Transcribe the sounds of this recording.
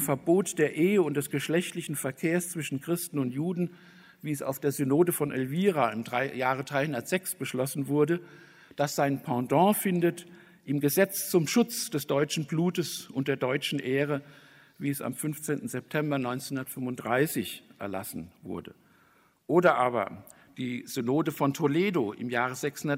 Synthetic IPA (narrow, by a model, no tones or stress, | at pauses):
mfɛɐboːtd̥eːɐʔeːəʊntd̥ɛsɡ̥əʃlɛçtlɪçn̩fɛɐkʰeːɐst͡sv̥ɪʃn̩kʁ̥ɪstn̩ʊntjuːdn̩ | viːɛsa̰ʊfd̥eːɐzynoːdəfɔnʔɛlviːʁaɪmʁajaːʁədʁaɪhʊndɐtz̥ɛksb̥əʃlɔsn̩vʊɐdə | d̥asz̥aɪnpʰɑ̃dɑ̃ːfɪndət | ʔɪmɡəzɛt͡st͡sʊmʃʊt͡sd̥ɛsd̥ɔʏt͡ʃn̩bluːtəsʔʊnt̚d̥eːɐdɔʏt͡ʃn̩ʔeːʁə | viːɛsa̰mfʏnft͡seːntn̩zɛp̚tʰɛmbɐnɔʏnt͡senhʊndɐtfʏmvʊntd̥ʁaɪsɪçʔɛ̰ɐla̰sn̩vʊ̰ɐdə | ʔoːɾɐʔaːβɐ̰ | d̥iːz̥ynoːdəfɔntʰoleːdoʔɪ̰mjaːʁəzɛkshʊnɐ